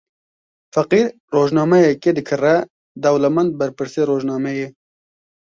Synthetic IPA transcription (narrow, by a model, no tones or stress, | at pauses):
fɐqiːɾ | roːʒnɑːmɛjɛked̪ɨkʰɨrɛ | d̪ɐwlɛmɛnd̪̚bɐɾpɨɾseːɾoːʒnɑːmɛjeː